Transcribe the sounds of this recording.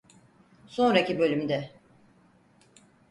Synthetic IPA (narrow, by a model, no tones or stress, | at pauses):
so̞nɾacʰibø̞lʲymd̪ɛ